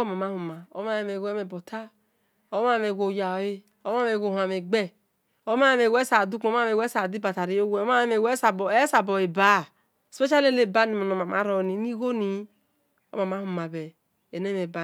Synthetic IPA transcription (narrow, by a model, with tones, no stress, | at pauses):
ma˨ma˦hu˨ma˨o̰˨˦ma˦je˨me˨ɡɛ˦me˨bo˨tʰa˦ | o˦ma˦˨me˨ɡo˨ja˨e˦ | o˦a˦me˨ɡo˨hʷa˨me˨ɡ͡bɛ˦ | o˦ma˦e˦me˨wɛ˦sa˨du˦k͡po˦a˦me˨wɛ˦sa˨di˦ba˨ta˨ɾi˦o˦we˦˨˦ma˦me˨we˦sa˨be˦sa˨bɔ˨e˨ba˦˨ | se˦t͡ʃa˦le˦le˦˨ba˦ni˨mo˨no˨ma˨ma˦ɾɔ˨ni˨˦ni˦ɡo˦ni˨˦ | o̰˦ma˨ma˦hu˨ma˨bɛ˨ | e˨ne˦me˨ba˦